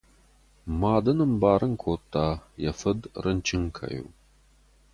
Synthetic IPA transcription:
maːd̪ɐnɨmbaːɾɨŋkʷʰoːtʰːaːjɐfɐdrʔɐnt͡ʃʰɪŋkʰɐ̰jo̰w

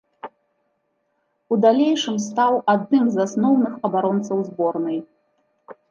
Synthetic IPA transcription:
ud̪alʲejʂɨmst̪awad̪̚nɨmzasnɔwnɨxɐbaɾɔnt̪sɐwzbɔrnɨj

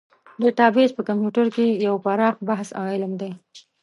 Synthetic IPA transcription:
d̪əʈɑbet͡ʃpəkampjuʈaɾkejawpaɾɑxbahsɑɪlamd̪aj

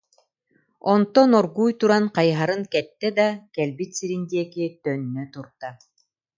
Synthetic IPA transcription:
ɔnt̪ɔnɔɾɡuːjt̪uɾanqɑjɦaɾɯŋkɛt̪ːɛd̪akɛlbit̪siɾind̪iɛkiɛt̪œnːœt̪uɾt̪a

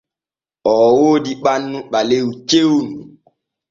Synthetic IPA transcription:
ɔwodiɓanːuɓaleut͡ʃewnu

